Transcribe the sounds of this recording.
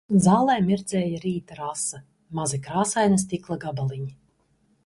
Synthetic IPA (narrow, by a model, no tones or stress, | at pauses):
zaːlˠɛjmiɾd̪zɛːjaɾiːt̪aɾasɐ | mazikɾaːsajnast̪iklˠaɡabalˠiɲi